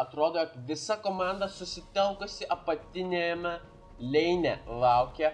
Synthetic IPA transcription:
ɐt̪ɾoːd̪oːjoːkʋʲɪsɐkoːmɑˑnd̪ɐsʊsʲɪt̪ʲɛlˠkʊsʲɪʔɐpɐt̪ʲɪnʲɛmʲɛ | lʲɛɪnʲɛlˠɑˑʊkʲɛ

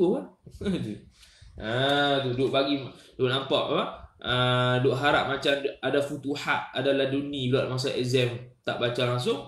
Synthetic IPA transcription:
oad͡ʒu | ət̪̬udoʔpaɡidoʔnampaʔa̰paʔədoʔɦaɾa̰ʔ̚mat͡ʃamadafut̪uhaʔadaladunĩblaʔmas̬aɛ̰zɛmt̪a̰ʔbat͡ʃalaŋs̬ʊŋ

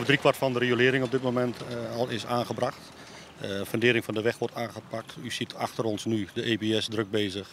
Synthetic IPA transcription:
vədrikʋartfɔndəreolɪəɾɪŋɔb̚dɪt̚momɛntɔlˠɪsaːnɣəbraxt | fəndɪːɾɪŋfɔndəʋɛxʋɔrtʰaːnɣəpak̚tʰysitʰaxtəɾɔnsnydəʔeːbeɛsdrøk̚beːzəx

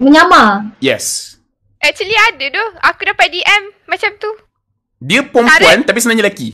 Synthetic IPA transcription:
məɲamajɛs | ʔɛkt͡ʃəliadədɔhakudapat̪̚diʔɛmːat͡ʃamt̪u | diəpɔmpuant̪apisənãɲalaki

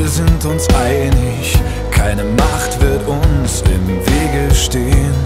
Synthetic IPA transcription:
ɐzɪntʊnsʔaɪɡənlɪç | kʰaɪnəmaχtv̥ɪɐtʊnsɪ̰mveːɡəʃteːən

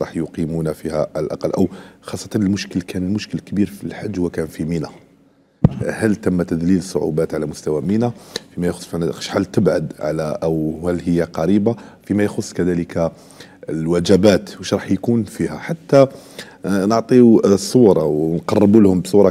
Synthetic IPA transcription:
ɾˤɑ̰ħjʊqimunfihæʕllʔɑ̰qɑlːʔəwxɑsˤːɑ̥t̪ɑnəlmʊʃkəlkʰænəlmʊʃkəlkbiɾfilħad͡ʒːhʊwækænfiminæ | hælt̪æmːæt̪æd̪liləsˤːʊ̰ʕṵbæt̪ʕalæmʊst̪æwæminæfimæjxʊsːfiʕnæʃħalt̪əbʕad̪ʕa̰læʔwhælːhəjːaqɑɾibafimæjxʊsˤːkæd̪æləka | lwæd͡ʒæbæt̪wəʃɾˤɑħjkunfihæħat̪ːa | nəʕt̪ˤiusˤuɾˤɑwnqɑrˤːəbulhʊmbsˤuɾˤɑ

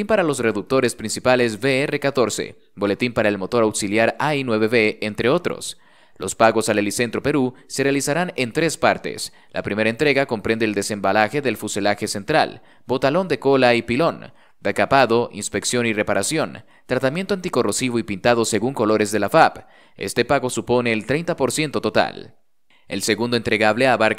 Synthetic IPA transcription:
impaɾalo̞s̬re̞ðuk̚t̪o̞ɾe̞spɾinsipale̞z̬be̞ere̞kat̪o̞ɾse̞̰ | bo̞le̞t̪impaɾae̞lmo̞t̪o̞ɾawksiljaɾainwe̞βe̞βe̞ent̪ɾe̞o̞t̪ɾo̞̰s | lo̞spaɣo̞salelise̞nt̪ɾo̞pe̞ɾuse̞realisaɾane̞nt̪ɾe̞spaɾt̪ḛs | la̰pɾime̞ɾae̞nt̪ɾe̞ɣako̞mpɾe̞nd̪eːld̪e̞se̞mbalaxe̞ðe̞lfuselaxe̞se̞nt̪ɾa̰l | bo̞t̪alo̞nd̪e̞ko̞laipilo̞n | d̥ekapaðo̞ʔḭnspe̞ksjo̞nire̞paɾasjo̞n | t̪ɾat̪amje̞nt̪oant̪iko̞ro̞siβo̞ipint̪að̞o̞se̞ɣuŋko̞lo̞ɾe̞zðe̞lafap | ḛst̪e̞paɣo̞supo̞ne̞ːlt̪ɾejnt̪apo̞ɾsje̞nt̪o̞t̪o̞t̪a̰l | else̞ɣund̪oent̪ɾe̞ɣaβleaβaɾk

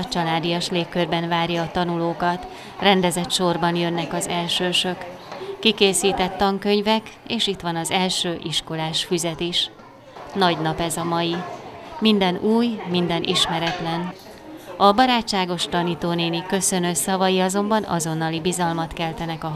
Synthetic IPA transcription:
t͡ʃɒlaːd̪ijɒʃleːkːørbɛnvaːrjɒːt̪ɒnuloːkɒt̪ | rɛnd̪ɛzɛt̪ʃo̞rbɒnjø̞nːɛkɒzɛlʃøːʃø̞kː | ikeːsiːt̪ɛt̪ːɒŋkøɲvɛkeːʃit̪ʋɒnɒzɛlʃøːʔiʃko̞laːʃfyzɛt̪iʃ | nɒɟnɒpɛzɒmɒjimind̪ɛnuːjmind̪ɛnʔḭʃmɛɾɛt̪lɛn | ɒbɒɾaːt͡ʃt͡ʃːaːɡo̞ʃt̪ɒniːt̪oːneːnikø̞sø̞nøsɒvɒjiɒzo̞mbɒnɒ̰zo̞nːɒlibizɒlmɒt̪kɛlt̪ɛnɛkɒ

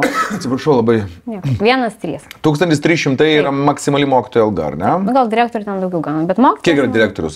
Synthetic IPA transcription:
ɐt̪ʲsʲɪpɾɐʃɐʊlˠɐbɐɪnʲiɛkʋʲiɛnɐst̪ʲɾʲiːst̪uːkst̪ɐnt̪ʲɪst̪ʲɾʲisʃʲɪmt̪ɐɪiːɾɐmɐksʲɪmɐlʲɪmoːkʲɪt̪oːjɛɐlˠɡɐ̰ɐ̰ɾnʲɛnɡɐlˠdʲɪɾʲæːkt̪oːɾʲt̪ʲɛnd̪ɐʊɡʲɛʊɡɑːnobʲɛt̪moːkʲkʲiɛkiɾɐd̪ʲɪɾʲæːk̚t̪oːɾʲʊs

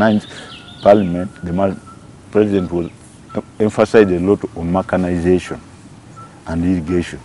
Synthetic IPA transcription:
nãɪ̃nspalimɛ̃ntdema | pɹɛzidɛ̃ntwɔz | ɛ̃ɱfasajzdelɔtɔ̃nmɛkanaɪzeʃɔ̰̃n | ʔãndiliɡeʃɔ̃n

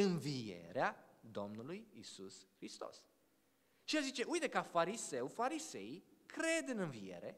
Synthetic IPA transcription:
ɨnvije̞̰ɾead̪o̞mnulujisusxɾist̪o̞̰s | ʃielzit͡ʃe̞ʔujt̪e̞kafaɾise̞wfaɾise̞̰ikɾe̞d̪ɨnɨnvije̞̰ɾe̞̰

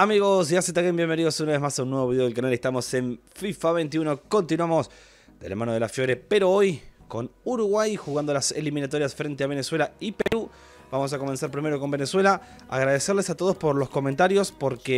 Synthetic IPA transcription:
amiɣo̞siaset̪akembje̞mbe̞niðosunaβe̞zmasunːweβoiðeelkanalest̪amo̞se̞ɱ | fifaβejnt̪̬iuno̞ko̞nt̪inwamos | d̪ela̰manoðelafjo̞ɾepe̞ɾoojko̞nuɾuɣwajxuɣand̪o̞laseliminat̪o̞ɾjasfɾe̞nt̪eaβ̞e̞neswe̞laipeɾu | b̥amo̞s̬ako̞mensaɾpɾime̞ɾo̞kombe̞neswe̞la | a̰ɣɾaðeseɾlesat̪oð̞o̞spo̞ɾlo̞sko̞mẽnt̪aɾjo̞spo̞ɾke

